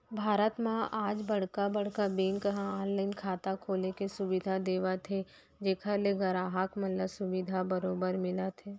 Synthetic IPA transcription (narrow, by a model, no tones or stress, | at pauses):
bʱaːɾət̪mãʔaːd͡ʒbɐɽ̤kabɐɽ̤kabeːnkɐɦãaːnlaɪnkʰaːt̪akʰoːlekesʊʋɪd̪ʱad̪eːʋat̪ʰe | d͡ʒeːkʰaleɡɐɾaːɦaːkmɐnləsʊʋɪd̪ʱabɐɾoːbəɾmɪlat̪ʰeː